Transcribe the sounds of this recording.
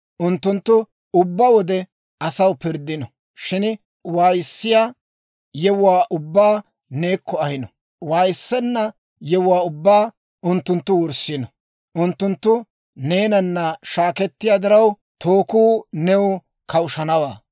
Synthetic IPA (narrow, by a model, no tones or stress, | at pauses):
ʔʊnt̪ːʊnt̪ːʊ | ʊbːɐwɔd̪ɛ | ɐsɐwpɪɾd̪ːɪnɔ | ʃɪn | waːjɪsːɪjaː | jɛwʊwaːʔʊbːaː | ne̞ːkːɔɐhɪnɔ | waːjɪsːɛnːɐ | jɛwʊwaːʊbːaː | ʊnt̪ːʊnt̪ːʊwɔɾsɪnɔ | ʔʊnt̪ːʊnt̪ːʊ | ne̞ːnɐnːɐʃaːkɛt̪ːɪjaːd̪ɪɾɐw | t̪ʰoːkuːnɛwʊ | kʰɐwʊʃɐnɐwa̰ː